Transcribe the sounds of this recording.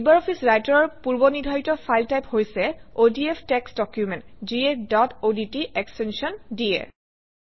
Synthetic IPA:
ibaɹɔpʰisɹajtɔɹɔɹpuɹbɔnidʱɔjtɔpʰajltajphojsɛodiepʰtɛksdɔkjumɛntziedɔtoditiɛkstɛnsiɔndiɛ̰

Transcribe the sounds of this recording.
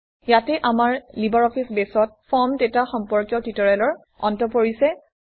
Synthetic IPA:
jatɛʔamaɹlibɔɹɔpʰisbesɔt̚fʰɔmtetaxɔmpɔɹkjɔtitɔɹalɔɹ | ɔ̰ntɔpoɹisɛ

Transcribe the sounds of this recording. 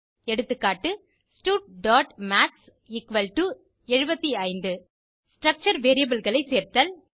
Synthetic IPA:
ɛɽɯt̪ːɯkːaːʈːɯ | sʈuːʈ̚ɖaːʈmaːʈs | ɪkʋɐlʈu | ɛɻɯbɐt̪ːiɐɪnd̪ɯ | sʈɾɐk̚t͡ʃɐɾʋeːɾijɐbɯlɣɐɭɐɪseːɾt̪ɐl

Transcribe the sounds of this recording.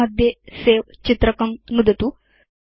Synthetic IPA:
ad̪ʱjeseʋt͡ɕit̪ɾəkɐmnud̪ət̪u

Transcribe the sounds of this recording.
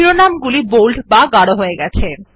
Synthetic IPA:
ɾonamɡulibowlɖbaɡaɽoɦoeɡɛt͡ɕʰe

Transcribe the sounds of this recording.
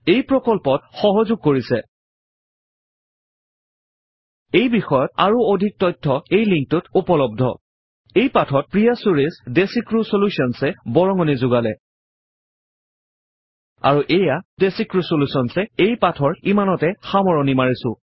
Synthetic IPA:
ejpɹɔkɔlpɔtxɔɦɔzʊɡ̚koɹisɛ | ejbixɔjɔta̰ɹuodʱik̚tɔjtʰːɔejliŋk̚tʊtupɔlɔb̚dʱɔ̰ | ejpatʰɔt̚pɹijasuɹisdesikɹusolusiɔnsɛbɔɹɔŋɔnizʊɡalɛ | a̰ɹuʔejadesikɹusolusɔnsɛejpatʰɔɹimanɔtɛxamɔɹɔnimaɹisʊ̰̃

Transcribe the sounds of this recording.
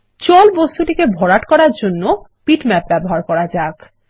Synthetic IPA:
t͡ɕɔlbost̪uʈikebʱɔɽaʈkɔɾaɾd͡ʑonːopiʈmɛp̚bɛboɦaɾkɔɾad͡ʑak

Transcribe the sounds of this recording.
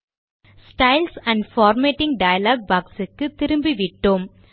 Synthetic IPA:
sʈɐɪlsɐ̃ɳɖfaːɾmeːʈːɪ̃ŋɖɐjɐlaːɡ̚baːksɯkːɯt̪ɪɾɯmbiʋɪʈːoːm

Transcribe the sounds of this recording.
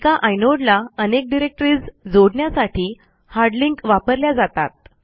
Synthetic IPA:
kaʔajnoɽlaənek̚ɖiɾek̚ʈɾiːd͡zd͡zoɽɳjasaʈʰiː | haɾɖliŋkʋapəɾljad͡zat̪at̪̚

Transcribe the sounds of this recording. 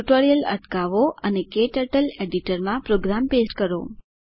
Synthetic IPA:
ʈoɾijələ̰ʈkaʋoənekeʈəʈəleɖiʈəɾmãpɾoɡɾampesʈkəɾo̰

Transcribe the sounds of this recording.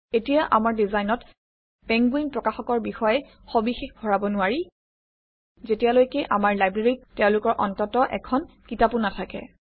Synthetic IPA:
etijaʔamaɹdizajnɔt | pɛŋɡwinpɹɔkaxɔkɔɹbixɔjɛ | xobixexbʱɔɹabɔnʊwaɹi | zetijalojkɛʔamaɹlajbɹeɹitɛʊ̃lʊkɔɹʔɔntɔtɔʔɛ̰kʰɔn | kitapunatʰakɛ̰

